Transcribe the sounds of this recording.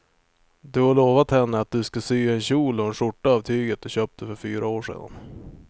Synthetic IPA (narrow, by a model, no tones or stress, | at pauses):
d̪ɵhaɭoːvat̪hɛnːəat̪̚d̪ɵskasyːɛnɕuːlɔɛnʂʊʈːaavt̪ʰyːɡət̪̚d̪ɵɕøːp̚t̪̚ɛfœɾfyːɾaoːʂḛːd̪a̰n